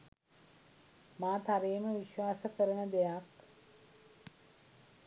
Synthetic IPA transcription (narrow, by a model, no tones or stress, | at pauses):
maːt̪aɾeːməʋiʃʋaːsəkəɾəɳəd̪ejak